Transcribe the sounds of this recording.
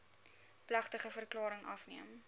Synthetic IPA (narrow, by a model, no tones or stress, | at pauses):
plɐχtəχəfərklɑːɾəŋʔɐfniəm